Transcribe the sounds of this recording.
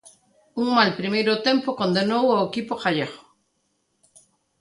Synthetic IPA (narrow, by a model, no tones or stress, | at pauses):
uŋmalpɾimejɾʊt̪empokond̪enowaekipoxaʎeɣo